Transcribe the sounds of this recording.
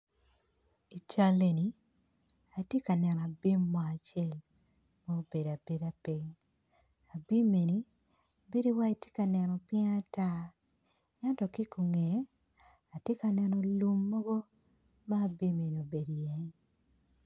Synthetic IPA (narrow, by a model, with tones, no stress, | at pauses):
i˨t͡ʃa˦le˨ni˨˦ | a˨tje˦ka˨nɛ˨n˨a˨bi˦mːɔ˨a˨t͡ʃɪɛ˦˨l | mo˦o˦be˨da˨be˨da˨pi˦ɲ | a˨bi˦me˨ni˨˦˨ | be˦di˦wa˦i˨˦tje˦ka˨nɛ˨nɔ˨pjɛ˦a˦ta˦ | ɛ˦ntɔ˨ki˦ku˨ŋe˨˦ | a˨te˦ka˨nɛ˨nɔ˨lu˦mːɔ˦ɡɔ˦ | ma˦˨bi˦me˨ni˨o˨be˨djɛ˨ɲ